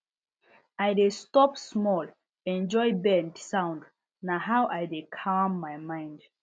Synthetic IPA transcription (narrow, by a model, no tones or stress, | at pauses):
ajdestɔpsmɔl | ɛ̃nd͡ʒɔjbɛ̃ndsãʊ̃nd | naɦawʔajdekʰamːajmãɪ̃nd